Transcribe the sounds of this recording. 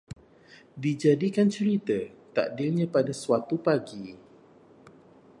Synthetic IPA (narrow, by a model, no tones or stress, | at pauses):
did͡ʒadikant͡ʃəɾit̪at̪a̰ʔdilɲãpadasuwat̪upaɡi